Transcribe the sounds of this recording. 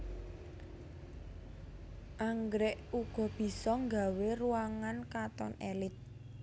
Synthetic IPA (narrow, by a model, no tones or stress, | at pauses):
ʔaŋɡɾɛʔuɡ̥ɔ̤b̥i̤sɔŋɡa̤weruwaŋankat̪ɔ̰nɛlɪt̪̚